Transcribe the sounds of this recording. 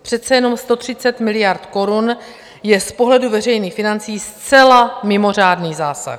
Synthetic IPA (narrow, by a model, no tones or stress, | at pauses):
pr̝̥ɛt̪t͡sɛjɛno̞mst̪o̞t̪r̥ɪt͡sɛt̪mɪlɪjaɾt̪ko̞ɾun | jɛspo̞ɦlɛduvɛr̝ɛjniːxfɪnant͡siːst͡sɛlamɪmo̞r̝aːdniːzaːsa̰x